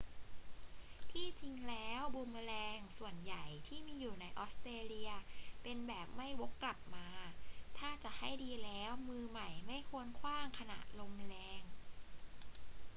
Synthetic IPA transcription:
t̪ʰiː˥˩t͡ɕi˧ŋlɛː˦˥wbo˧mlɛː˧ŋsu˨˩ənja˨˩jt̪ʰiː˥˩miː˧juː˨˩na˧jʔɔː˦˥st̪ɾeː˧li˧ɐpe˧nbɛː˨˩p̚ma˥˩jwo˦˥kːla˨˩p̚maː˧t̪ʰaː˥˩t͡ɕa˨˩ʔha˥˩jdiː˧lɛː˦˥wmɯː˧ma˨˩jma˥˩jkʰu˧˥ənkʰwaː˥˩ŋkʰa˧na̰˨˩ʔ̚lo˧mɾɛː˧ŋ

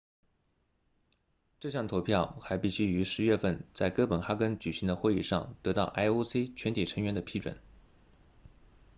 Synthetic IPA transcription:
ʈ͡ʂɤ˥˧ɕ̬jɑ˥˩ŋt̪ʰo˧˥ʊpʰjɑ˥˩ʊxa˧˥ɪpi˥˩ɕy˥y˧˥ʂɻ̩˧˥ɥɛ˥˧fə˥˧nt͡sa˥˩ɪkɤ˥pə˨˩nxa˥kə˥nt͡ɕy˨˩ɕi˧˥ŋd̪ə˧xwe˥˧i˥˩ʂɑ˥˩ŋt̪ɤ˧˥t̪ɑ˥˩ʊʔa˥ɪo˥ʊse˥t͡ɕʰɥɛ˧˥nt̪ʰi˨˩ʈ͡ʂʰɤ˧˥ŋɥɛ˧˥nd̪ə˧pʰi˥˩ʈ͡ʂwə̰˨˩n

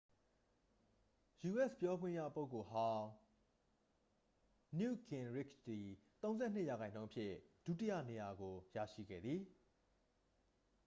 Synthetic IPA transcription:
ju˨ʔɛ˦˨spjɔ˦ɡwɪ̃˦˨ja̰˦˨po˦ʊkːo˨hã˦ | njṵ˦˨kɪ̃˨nɹɪ˦˨kd̪i˨t̪õ˦ʊ̃zɛ˦˨n̥ɪ˦˨ja˨ɣã˨ɪ̃nõ˦ʊ̃əpʰjɪ˦˨d̥ṵ˦˨ti˦jä̰˦˨ne˨ja˨ɡo˨ja̰˦˨ʃḭ˦˨ɡɛ̰˦˨d̪ði˨

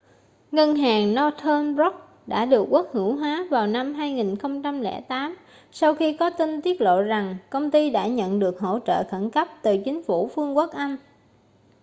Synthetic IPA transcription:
ŋə˧nɦaː˨˩ŋnɔ˧t̪ʰəː˧mzɔ˦˥k̚ | ɗa̰ː˧˥ɗɨ˨˩ək̚wu˦˥k̚hɨ˧˩wɦwaː˨˦vaː˨˩wna˧mɦaː˧jŋi˨˩nxə˧wŋ͡mt͡ɕa˧mlɛ̰˧˩t̪aː˨˦m | sa˧wxi˧kɔ˨˦t̪i˧nt̪i˦˥ət̚lo̰˧˨za˨˩ŋkə˧wŋ͡mt̪i˧ɗa̰ː˧˥ɲə̰˧˨nɗɨ˨˩ək̚ɦo̰˧˥˨t͡ɕə̰ː˧˨xə˧˩nkə˦˥p̚t̪ɨ˨˩t͡ɕï˨˦ŋ̟fu˧˩fɨ˧əŋku˦˥ək̚ʔa˧jŋ̟

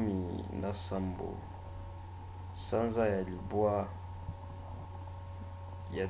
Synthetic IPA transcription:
mi˨na˨sa˦mbo̰˨ | sa˦nza˦ja˨li˨bwa˦ | ja˨

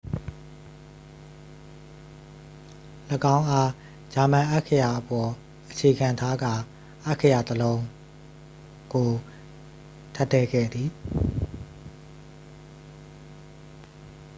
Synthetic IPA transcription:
ləkã˦ʊ̃ʔa˦ | d͡ʑa˨mã˨ʔa˦ʔkʰə˨ja˨ʔəpɔ˨ | ʔət͡ɕʰe˨ɡã˨nt̪ʰa˦ɡa˦˨ | ʔa˦ʔkʰːə˨ja˨t̪əlõ˦ʊ̃ | ɡ̥o˨ | tʰa˦tːɛ˦˨ɡɛ̰˦˨d̪i˨

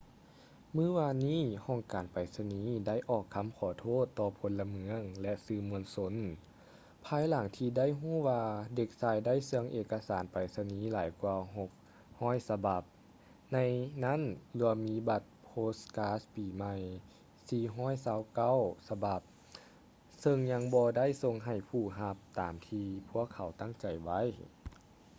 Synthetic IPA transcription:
mɯː˧˥˨waː˧nːiː˥˨hɔː˧˩ŋkaː˨˩npa˨˩jsa˧niː˨˦da˥˩jʔɔː˧˩kʰːa˧˥mkʰɔː˨˩˦t̪ʰoː˥˨t̪ːɔː˧pʰo˧˦nla˧mɯ˧˦əŋlɛ˧sɯː˧˩mu˧ənso˧˥n | pʰaː˧˥jla˨˩˦ŋt̪ʰiː˧da˥˨jɦuː˥˨waː˧de˧˩k̚saː˧˩jda˥˨jsɯ˧əŋʔeː˨˧kːa˧saː˨˩˦npa˨˩jsa˧niː˨˦laː˨˦jkwu˧ɦo˧˦k̚ | hɔː˧˥˨jsa˧ba˨˩p̚ | na˧jna˦˥˨nlɯ˧ɐmiː˧˥ba˧˦t̪̚pʰoː˧˥skaː˧˥spiː˨˩ma˧˩j | siː˧ɦɔː˥˩˨jsaː˧˥wka˧˥˩wsa˧ba˧˩p̚ | sɤ˧ŋɲa˧ŋbɔː˧da˥˨jso˧ŋɦa˨˩jpʰuː˧˩ɦa˧p̚t̪aː˨mt̪ʰiː˧pʰu˧˥˩əkʰːa˨˩wt̪a˥˩˨ŋt͡ɕa˨˩jʋa˧˥˨j

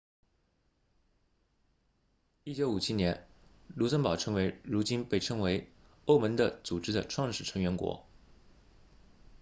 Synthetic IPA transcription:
i˥˩t͡ɕjo˧˥ʊu˨˩t͡ɕʰi˥njɛ˧˥n | lu˧˥swə˥npɑ˨˩ʊʈ͡ʂʰɤ˧˥ŋwe˧˥ɪɻu˧˥t͡ɕi˥npe˥˩ɪʈ͡ʂʰɤ˥ŋwe˧˥ɪ | o˥ʊmə˧˥ŋd̪ə˧˨t͡su˨˩ʈ͡ʂɻ̩˥d̪ə˨ʈ͡ʂʰwɑ˥˧ŋʂɻ̩˥˩ʈ͡ʂʰɤ˧˥ŋɥɛ˧˥nkwɔ̰˧˥

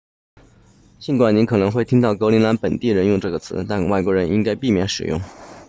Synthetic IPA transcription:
t͡ɕi˧˥ŋkwa˨˩ni˧˥nkʰɤ˨˩nɤ˧˥ŋxwe˥˩ɪt̪ʰi˥ŋt̪ɑ˥˩ʊkɤ˧˥ʊli˧˥nla˧˥npə˨˩nt̪i˥˩ɻə˧˥njʊ˥˧ŋʈ͡ʂɤ˥˩ɡə˩t͡sʰɹ̩˧˥t̪a˥˧nwa˥˩ɪkwɔ˧˥ɻə˧˥ni˥ŋka˥ɪpi˥˩mjɛ˧˥nʂɻ̩̰˨˩jʊ̰˥˩ŋ

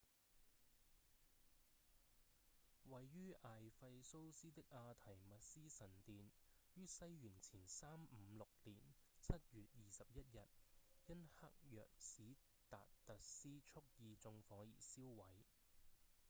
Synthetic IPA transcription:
wɐ˨jːyː˥ʔaː˨jfɐ˧jso˥wsiː˥t̪ɪ˥k̚ʔaː˧t̪ʰɐ˨˩jmɐ˨t̚siː˥sɐ˨˩nt̪iː˨njyː˥sɐ˥jɥyː˨˩nt͡sʰiː˨˩nsaː˥mm̩˨˧˦lʊ˨k̚liː˨˩nt͡sʰɐ˥t̚jyː˨t̚jiː˨sɐ˨p̚jɐ˥t̚jɐ˨t̚jɐ˥nhɐ˥k̚jœ̰ː˨k̚siː˨˥ | t̪a̰ː˨t̚t̪ɐ˨t̚siː˥t͡sʰʊ˥k̚jiː˧t͡sʊ˧ŋfɔː˨˥ŋjḭː˨˩siː˥wwɐ˨˥j

